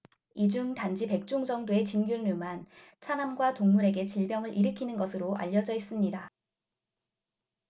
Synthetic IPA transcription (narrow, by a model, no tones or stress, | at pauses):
id͡ʑuŋtand͡ʑipe̞k̚t͡ɕ͈oŋd͡ʑʌŋdoe̞t͡ɕinɡjuɭnuman | t͡ɕʰanamɡwatoŋmuɾe̞ɡe̞t͡ɕiɭbjʌŋɯɾʔiɾɯkʰinɯnɡʌsʰɯɾoa̰ʎːʌd͡ʑʌis͈ɯmɲida